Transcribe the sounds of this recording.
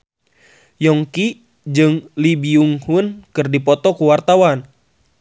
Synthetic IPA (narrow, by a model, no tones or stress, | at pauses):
jɔŋki | d͡ʒɨŋlibiuŋhunkɨrdipɔt̪ɔkuwart̪awan